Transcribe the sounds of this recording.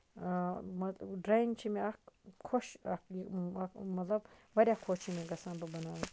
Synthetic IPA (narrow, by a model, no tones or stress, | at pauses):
mɐɖɾaːjiŋɡt͡ʃʰimeɐkkʰoʃɐk | mɐt̪lɐb̚ʋɐɾʲjaːkʰoːt͡ʃʰimeɡɐsãːnbɐbɐnaːʋu